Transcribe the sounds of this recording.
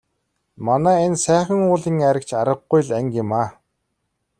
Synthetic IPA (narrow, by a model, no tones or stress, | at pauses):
manæːensæːχʲə̆ŋʊːɮĭːŋæɾʲə̆kt͡ɕʰaɾə̆ɢːujɮæŋkɪmaː